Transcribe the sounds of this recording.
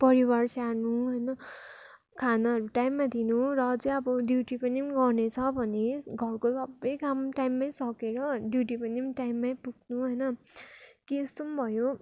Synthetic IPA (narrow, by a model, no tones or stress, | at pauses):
pʌɾibarsanuɦʌjnʌ | kʰanʌɦʌɾuʈajmːad̪ʱinurʌt͡sʌĩʌbʌɖjuʈipʌniɡʌrnet͡sʰʌbʱʌneɡʱʌrkosʌbːʌjkamʈajmːajsʌkeɾʌɖjuʈipʌnimʈajmːapuɡnuɦʌjnʌ | kiest̪ombʱʌjo